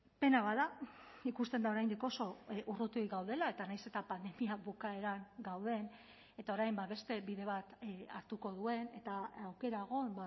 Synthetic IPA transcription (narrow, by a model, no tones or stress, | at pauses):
pe̞naβaðaikust̪e̞nd̪ao̞ɾajnd̪iko̞so̞ʔurut̪uiɣawð̞e̞lae̞t̪anajse̞t̪apand̪e̞miaβukae̞ɾaŋɡawð̞e̞n | e̞t̪ao̞ɾajmbaβe̞st̪e̞βiðe̞β̞at̪a̰ɾt̪uko̞ð̞ue̞ne̞t̪aawke̞ɾaeɣo̞mba